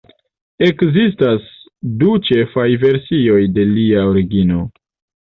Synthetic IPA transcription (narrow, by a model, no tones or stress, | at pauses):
e̞kzistas | dut͡ʃe̞fajve̞ɾsio̞jde̞liaoɾiɡino̞